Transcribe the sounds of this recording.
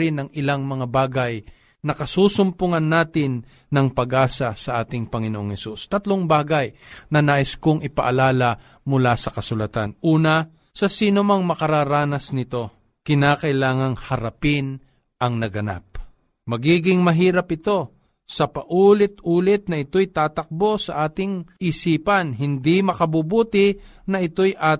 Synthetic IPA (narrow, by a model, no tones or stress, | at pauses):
ɾɪnɐŋɪlaŋmɐŋabaːɡɐj | nɐkɐsuːsʊmpʊŋɐnːaːt̪ɪnː | ɐŋpɐɡaːsɐsɐʔaːt̪ɪŋpɐŋɪnoʔoŋhɛsust̪ɐt̪loŋbaːɡajnɐnaːʔɪskʊŋɪpɐʔɐlaːlɐ | mʊlasɐkɐsʊlɐt̪anʔuːnɐ | sɐsiːnomɐŋmɐkɐɾaːɾaːnɐsnɪt̪o̞ | kɪnaːkɐʔɪlaːŋɐŋhɐɾɐpɪn | ʔɐŋnɐɡɐna̰p̚ | mɐɡiːɡɪŋmɐɦiːɾɐpʔɪt̪o̞ | sɐpɐʔuːlɪt̪uːlɪt̪̚nɐʔɪt̪o̞jt̪aːt̪ɐk̚bo̞sɐʔaːt̪ɪŋʔɪsiːpɐnɦɪnd̪imɐkɐbubuːt̪ɪ | nɐʔɪt̪o̞jʔa